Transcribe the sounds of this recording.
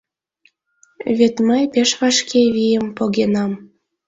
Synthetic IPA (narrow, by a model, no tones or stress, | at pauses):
βet̪məjpeʃβɑʃkʰeβijəmpoɣenɑm